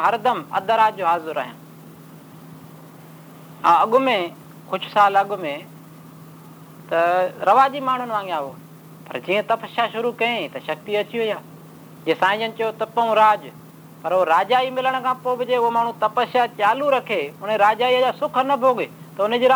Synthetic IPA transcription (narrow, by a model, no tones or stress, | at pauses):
ɦɐɾd̪əmɐ̰d̪aɾaːd͡ʒoːɦaːzʊɾa̰ːɦijã̰ː | ə̰̃ɐɠʊmẽ | xʊʃsaːlɐɠʊmẽ | t̪ɐɾɐʋaːʄiːmaːɳ̤ʊnʋãːŋɡijãːɦoː | pɐ̰ɾd͡ʑiːə̃t̪ɐpəʃaːʃʊɾuːkɐẽt̪ɐʃɐk̚t̪iɐt͡ɕiʊijaː | d͡ʒeːsãːɪ̃d͡ʒənɪ̆t͡ʃɐjot̪ɐpɐũɾaːd͡ʒ | pɐɾoːɾaːd͡ʒaːiːmɪləɽ̃kʰãːpoːbɪd͡ʑeːʊɦoːmaːɳ̤ũt̪ɐpəsaːt͡ʃaːluɾɐkʰeːʊn̤eɾaːd͡ʒaːiəd͡ʒaːsʊkʰənɐbʱoːɠeː | t̪ɐʊnəd͡ʑiːɾ